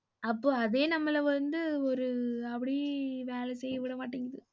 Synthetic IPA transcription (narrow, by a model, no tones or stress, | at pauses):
ɐpːoːɐðeːnɐmːɐlɐʋɐnd̪ɯɔɾɯɐpːɐɽiʋeːlɛsɛjːɐʋɪɽɐmaːʈːiːŋɡɐðɯ